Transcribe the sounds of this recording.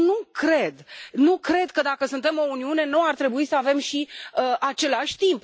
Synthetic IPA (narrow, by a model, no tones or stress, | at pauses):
nukɾe̞d̪nukɾe̞d̪kəd̪akəsunt̪e̞mo̞uniune̞nuart̪ɾe̞buisəave̞mʃiəat͡ʃe̞laʃʲt̪imp